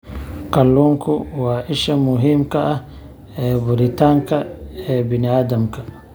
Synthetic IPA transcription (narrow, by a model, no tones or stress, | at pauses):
kɐlːuŋkʰʊwaːʔɪʃɐmʊɦiːmkɐʔɐh | ɛːbʊɾɪt̪ʰaːŋkʰɐɛːbɪnɪaːd̪ɐmkʰɐ